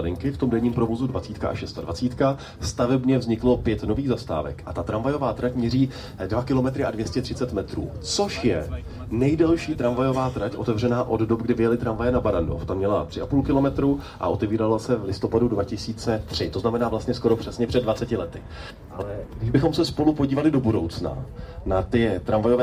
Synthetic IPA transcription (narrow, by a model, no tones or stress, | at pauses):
lɪŋkɪft̪o̞mdɛɲiːmpɾo̞vo̞zudvat͡siːt̪kaʔa̰ʃɛst̪adva̰t͡siːt̪ka | st̪avɛbɲɛvzɲɪklo̞pjɛt̪no̞viːɣzast̪a̰ːvɛ̰kʔat̪at̪ɾaɱvajo̞vaːt̪ɾacmɲɛriː | dvakɪlo̞mɛt̪ɾɪʔadvjɛscɛt̪r̥ɪt͡sɛt̪mɛt̪ɾṵːt͡so̞ʃjɛ | nɛjdɛlʃiːt̪ɾaɱvajo̞vaːt̪ɾacʔo̞t̪ɛvr̝ɛnaːʔo̞ddobɡdɪvɪjɛlɪt̪ɾaɱvajɛnabaɾando̰ft̪amɲɛlat̪r̥ɪʔapuːlkɪlo̞mɛt̪ɾuːʔa̰ʔo̞t̪ɛviːɾalasɛvlɪst̪o̞padudvacɪsiːt͡sɛt̪r̝̥ɪt̪o̞znamɛnaːvlast̪ɲɛsko̞ɾo̞pr̥ɛsɲɛpr̥ɛdvat͡sɛcɪlɛt̪ɪ | ʔalɛɡdɪʒbɪxo̞msɛspo̞lupo̞ɟiːvalɪdo̞budo̞wt͡sna̰nat̪ɪt̪ɾamvajo̞vɛ